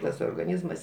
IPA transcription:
tɐs oːrɡɐˈnʲiːzmɐs

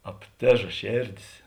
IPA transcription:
ɐpʲˈtʲeːʒɐ ˈʃʲeːrʲˌdʲeːs

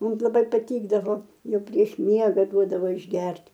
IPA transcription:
ˈmʊm lˠɐˈbɐɪ pɐˈtʲiːɡdɐʋoː ˈjɛʊ pʲrʲiɛʃ ˈmʲiɛɡɐ ˈduɔdɐʋoː ɪʒʲˈɡʲɛrʲtʲ

